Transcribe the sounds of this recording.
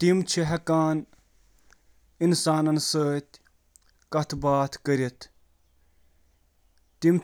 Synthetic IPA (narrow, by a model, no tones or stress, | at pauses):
t̪imt͡ʃʰiɦɐkaːn | insaːnɐnsəːt̪ʲ | kɐt̪ʰbaːt̪ʰkɐɾit̪ʰ | t̪im